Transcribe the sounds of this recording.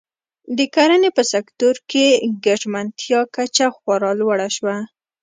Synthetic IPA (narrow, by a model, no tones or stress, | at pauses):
d̪əkaɾanepəsakt̪oɾkeɡaʒmant̪ʰjɑkat͡ʃaxwaɾɑlwaɽaʃwa